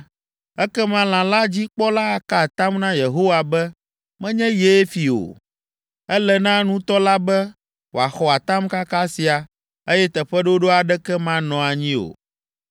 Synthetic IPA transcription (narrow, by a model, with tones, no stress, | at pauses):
ɛ˦kɛ˦mã˦l̃ã˨la˦d͡ʑi˦k͡pɔ˦la˦˨ka˦˨t̪a˦mnã˦je˨ɦo˦wa˨bɛ˦ | mɛ̃˦ɲɛ̃˦je˦fi˨o̰˨ | ɛ˦lɛ˨nã˦nũ˦t̪ɔ˦la˦bɛ˦ | wo˨a˨xɔ˨a˨t̪a˦mka˦ka˦si˨a˨ | e˦jɛ˦t̪ɛ˨ɸɛ˦ɖo˦ɖo˦a˨ɖɛ˦kɛ˦mã˦nɔ̃˨a˨ɲĩ˦o̰˨